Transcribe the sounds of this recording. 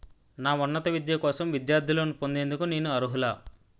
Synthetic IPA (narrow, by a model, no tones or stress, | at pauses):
naːunːɐt̪ɐʋid̪jɐkɔːsɐmʋid̪jaːɾd̪ʱilo̞ːnipo̞nd̪e̞ːnd̪ukune̞ːnuɐɾuɦulaː